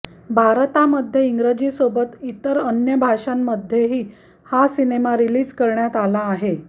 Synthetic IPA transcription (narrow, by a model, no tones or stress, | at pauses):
bʱaɾt̪aməd̪ʱjeiŋɡɾəd͡ʑiːsobət̪it̪əɾənjəbʱaʂamːəd̪ʱjeɦiː | hasinemaɾiliːd͡zkəɾɳjat̪alaːɦe